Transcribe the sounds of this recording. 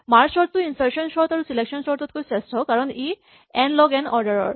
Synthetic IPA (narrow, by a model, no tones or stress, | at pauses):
maɹsɔɹt̪ːuinsaɹksɔnsɔɹɔt̪aɹusilekʃɔnsɔɹt̪ɔt̪̚kojsɛstɔkaɹɔni | ɛnlɔɡɛnɔɹdaɹɔɹ